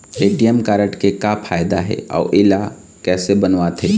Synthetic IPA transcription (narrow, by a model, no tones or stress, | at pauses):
eːʈijəmkaːɾəʈkekapʰaːjd̪aɦɛ̰ɔ̰ːʔɪla | kɛːsebɐnʋaːt̪ɦɛː